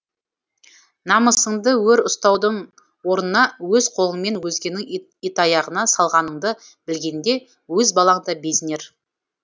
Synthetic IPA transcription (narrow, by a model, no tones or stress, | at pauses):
nɑməsəɴd̪əwɵɾʊst̪ɑwd̪əɴ | wo̞ɾnənɑwɵzqʰolˠəɴme̞nwɵzɡʲe̞nɪŋ | it̪ɑjɑʁənɑsɑlˠʁɑnəɴd̪əb̥ɪlɡʲe̞nd̪e̞ | wɵzbɑlˠɑɴd̪ɑbe̞sɪne̞ɾ